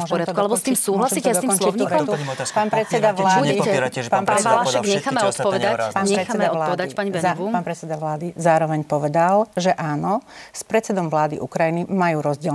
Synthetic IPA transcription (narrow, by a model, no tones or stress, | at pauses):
ɔʒpɔɾɪat̪kualɛbɔst̪iːmsuːɦlasiːt͡ɕ̪ɛsd̪ɔikɔnt͡ʃiɲiːɔt̪upaːnpɾɛt͡sɛd̪aʋlaːuiɛpaːnpaɾɛaɛaʃɛɡɲɛxaːmɛɔt̪pɔʋɛd̪apaːnɲɛɾɛxaɛd̪aɔaːɛd̪apaɲiɛauaːnpɾɛt͡sɛd̪aʋlaːd̪izaːɾɔʋɛɲpɔʋɛd̪alʒɛʔaːnɔspɾɛt̪t͡sɛd̪ɔmʋlaːd̪ḭʔukɾajinimajuːɾɔzɟɪɛ